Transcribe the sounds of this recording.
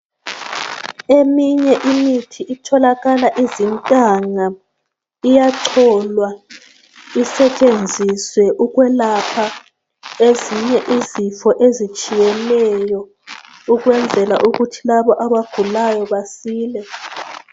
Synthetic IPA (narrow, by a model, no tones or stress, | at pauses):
emiɲɛʔimitʰiʔitʰɔlaɣalaʔizintʼaŋa | ijaǀʰɔlwa | isɛt͡ʃʼend͡zʱiswɛʔuɣwɛlapʰa | eziɲɛʔizifɔʔezit͡ʃʼijɛlɛjɔ | uɣwɛnd͡zʱɛla̰ʔuɣutʰilaβɔʔaβaɡ̥ʱulajɔβasiːlɛ